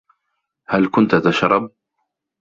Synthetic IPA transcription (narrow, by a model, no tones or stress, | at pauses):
halkʊnt̪t̪aʃɾˤɑb̚